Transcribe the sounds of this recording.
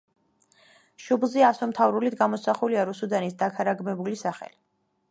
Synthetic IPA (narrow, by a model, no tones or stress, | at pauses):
ʃublˠziasɔmt̪ʰavɾulid̪ɡamɔsaχuliaɾusud̪anisd̪akʰaɾaɡmɛbulisaχɛ̰li